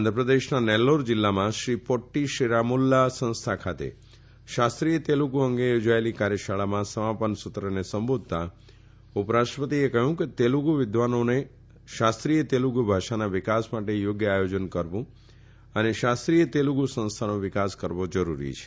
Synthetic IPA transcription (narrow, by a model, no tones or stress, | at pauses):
ənd̪ʱɾəpɾəd̪eʃnanɛlːoɾd͡ʒɪlːamãʃɾipoʈːiʃiɾamulːasə̃ñst̪ʰakʰat̪ḛ | ʃast̪ɾijət̪eluɡuəŋɡejod͡ʒaelikaɾjəʃaɭamãsəmapənsʊt̪ɾənesəmbod̪̚ʱt̪a | upɾaʃʈɾəpət̪iekəɦjũket̪eluɡuʋɪd̪ʋanone | ʃast̪ɾijət̪eluɡubʱaʃanaʋɪkasmaʈejoɡjəajod͡ʒənkəɾʋũ | əneʃast̪ɾijət̪eluɡusə̃nst̪ʰanoʋɪkaskəɾʋod͡ʒəɾuɾḭt͡ʃʰe̥